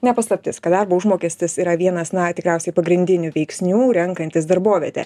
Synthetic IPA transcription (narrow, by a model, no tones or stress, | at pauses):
nʲɛpɐslˠɐpʲt̪ʲɪskɐd̪ɐɾboːʊʒmoːkʲɛsʲt̪ʲɪsiːɾɐʋʲiɛnɐsnɐt̪ʲɪkɾʲɛʊsʲɛɪpɐɡɾʲɪnʲd̪ʲɪnʲʊʋʲɛɪksʲnʲuːɾʲɛŋkɐnʲt̪ʲɪs̬d̪ɐɾboːʋʲiɛt̪ʲɛ̰